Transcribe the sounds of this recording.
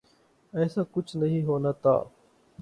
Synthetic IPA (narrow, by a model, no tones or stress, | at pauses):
ɛːsãːkʊt͡ʃʰnɐɦĩːɦoːnat̪a̰ː